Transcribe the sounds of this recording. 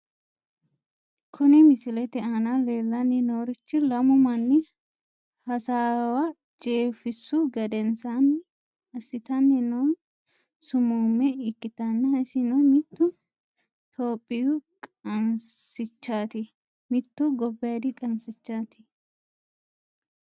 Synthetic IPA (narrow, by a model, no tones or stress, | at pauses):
kʰʊnɪmɪsɪlɛt̪ɛɐnɐle̞ːlːɐnːɪnoːɾɪt͡ʃːɪlɐmʊmɐnːɪ | hɐsaːwɐ | t͡ʃʼeːfɪsːʊɡɐd̪ɛnsanː | ɐsːɪt̪ɐnːɪnoːn | sʊmuːmːɛɪkʼːɪt̪ɐnːɪhɐsɪnɔmɪt̪ːʊ | t̪ʰoːpʼːɪjʊkʼɐnsɪt͡ʃːaːt̪ɪ | mɪt̪ːʊɡɔbːɪjɐd̪ɪkʼɐnsɪt͡ʃːaːt̪ɪ̥